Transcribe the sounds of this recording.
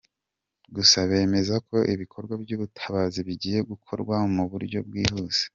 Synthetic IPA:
ɡusaβe̞ːme̞zako̞ʔiβikʰo̞ɾɡwabɟuːβutʰḁβaziβiɟiːje̞ɡukʰo̞̰ɾɡwamuβuɾɟo̞bɡiːhuːze̥

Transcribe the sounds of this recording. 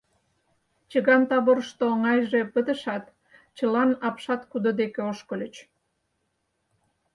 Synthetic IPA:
t͡ɕəɣɑnt̪ɑβoɾʃt̪oŋɑjʒe̽pət̪ə̆ʃɑt̪ | t͡ɕəlɑnɑpʃɑt̪kud̪od̪ekeoʃkə̆lʲə̆t͡ɕ

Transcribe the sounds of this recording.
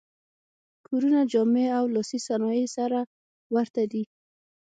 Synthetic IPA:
kʰoɾunad͡ʒɑmeawlɔsisanɔjesaɾa | waɾt̪ad̪i

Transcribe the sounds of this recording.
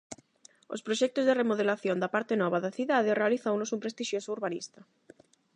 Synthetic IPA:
o̰spɾoʃɛk̚t̪ozðeremoðelaθjond̪apaɾt̪enɔβaðɐθiðaðerealiθowlosumpɾest̪iʃjosouɾβanḭst̪ɐ

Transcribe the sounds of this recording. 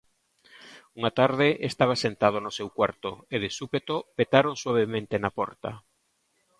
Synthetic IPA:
uŋat̪aɾðeʔest̪aβ̞asent̪að̞onosewkwaɾt̪oeðesupet̪opet̪aɾoŋswaβ̞emẽnt̪enapɔɾt̪a̰

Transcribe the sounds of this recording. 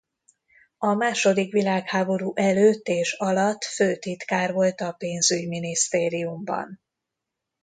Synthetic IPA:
ɒmaːʃo̞d̪ikʋilaːkhaːbo̞ɾuːʔɛløːt̪ːeːʃɒlɒt̪ːføːt̪it̪kaːrvo̞lt̪ɒpeːnzyɟminist̪eːɾijumbɒ̰n

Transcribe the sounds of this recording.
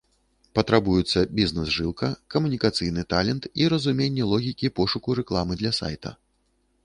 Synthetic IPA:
pɐt̪ɾabujɛt̪sːɐbʲiznɛsʐɨlˠkɐkɐmunʲikat̪sɨjnɨt̪alʲɛnt̪iɾɐzumʲenʲːɛlˠɔɣʲikʲipɔʂukuɾɛklˠamɨd̪lʲɐsa̰jt̪ɐ̰

